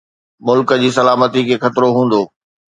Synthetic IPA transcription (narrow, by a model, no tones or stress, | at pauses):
mʊlkəd͡ʑiːsɐlaːmət̪ikʰeːxɐt̪ɾoɦũːn̆d̪oː